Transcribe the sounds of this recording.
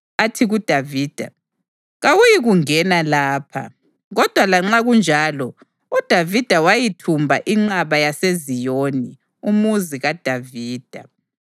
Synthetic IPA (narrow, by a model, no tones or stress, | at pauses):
atʰiɣud̥ʱaviːd̥ʱa̰ | ɣawujiɣuŋɛnalaːpʰa̰ | ɣɔd̥ʱwalaŋ͡ǁaɣund͡ʒʱaːlɔ | ud̥ʱavid̥ʱawajitʰumbʱa̰ʔiŋ͡ǁaβajasezijoni | umuziɣad̥ʱaviːd̥ʱa̰